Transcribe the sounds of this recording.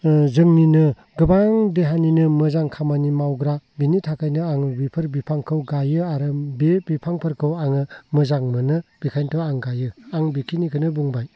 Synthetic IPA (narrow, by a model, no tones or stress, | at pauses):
zɯŋninɯ | ɡɯbaŋdeɦaninɯmɯzaŋkʰamanimawɡɾabinitʰakʰajnɯaŋbipʰɯɾbipʰaŋkʰɯwɡajɯaɾɯbebipʰaŋpʰɯɾkʰɯwaŋɯmɯzaŋmɯnɯb̥ikʰajntʰɔaŋɡajɯaŋbikʰinikʰɯnɯbuŋbaj